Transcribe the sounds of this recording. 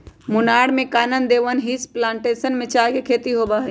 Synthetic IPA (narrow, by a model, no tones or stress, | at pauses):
mʊnaɽmẽkaːnənd̪eʋənɦisplãːɳʈesənmẽt͡ʃakekʰet̪iɦobaɦɛ